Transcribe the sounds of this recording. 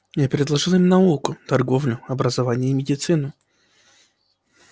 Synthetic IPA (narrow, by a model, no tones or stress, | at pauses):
japʲɾʲɪd̪lˠɐʐɨlˠimnɐulˠkʊt̪ɐrɡo̞vlʲʊɐbɾəzɐvanʲɪjəːmʲɪdʲɪt̪sɨnʊ